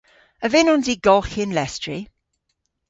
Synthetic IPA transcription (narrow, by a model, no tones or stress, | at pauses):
əvɪnɔ̃nziɡɔlxɪnlɛstɹ̥i